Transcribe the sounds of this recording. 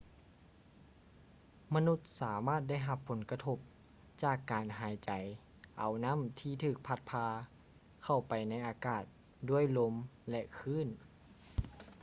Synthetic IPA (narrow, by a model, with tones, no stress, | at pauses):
ma˧nu˧˥t̪̚saː˩˦maː˥˩t̪̚da˥˩jɦa˧pʰːo˩˦nka˧t̪ʰo˧p̚ | t͡ɕaː˧˩kːaː˨nɦaː˩˦jt͡ɕa˨˦j | ʔa˨˩wna˧˥˨mt̪ʰiː˧˩t̪ʰɯː˧˩k̚pʰa˧˥t̪̚pʰaː˧ | kʰa˧˩wpa˨˩jna˧˥˩jʔaː˧˦kaː˨˩t̪̚ | du˧˥˩əjlo˧˥mlɛ˧kʰɯː˧˥˨n